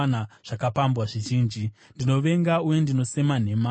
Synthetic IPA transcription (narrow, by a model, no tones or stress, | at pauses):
naʐ̥akapambwaʐiʒiːnd͡ʒi | ndino̞ʋe̞ŋɡauje̞ndino̞se̞mane̞ma